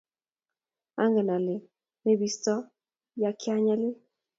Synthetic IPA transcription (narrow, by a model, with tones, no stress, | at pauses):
a˦ŋɡɛ˨na˨lɪ˨ | me˦bi˦stɔ˦ | ja˦kɪ˦a˦ɲɛ˦lɪ˦